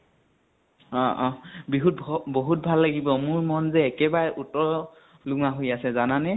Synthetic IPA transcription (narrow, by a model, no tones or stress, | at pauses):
ɔ̃ʔɔ̃biɦut̚bʱboɦut̚bʱalːaɡibɔmʊɹmɔnzɛːkɛbaɹɛʔutɔɹɔ | luŋaɦojasɛzananɛ